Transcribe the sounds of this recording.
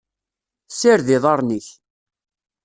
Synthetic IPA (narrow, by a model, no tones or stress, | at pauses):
sɪɾðɪðˤɑɾˤniç